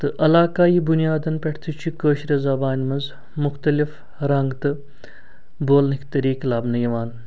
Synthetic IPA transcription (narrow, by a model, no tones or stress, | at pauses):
t̪ɨʔɐlaːkaːiːbunijaːd̪ɐnpʲeʈʰt̪ʰit͡ʃʰikəːʃɾɐzabaːnʲmɐnz | mʊxt̪ɐlif | ɾɐŋɡt̪ɨ | boːlnɨkʰt̪ɐɾiːklaːbnɐjiʋaːn